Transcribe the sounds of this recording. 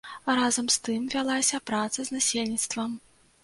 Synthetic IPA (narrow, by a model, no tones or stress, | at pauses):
ɾazɐmst̪ɨmvʲalˠasʲɐpɾat̪sɐzʲnasʲelʲnʲit̪st̪vɐm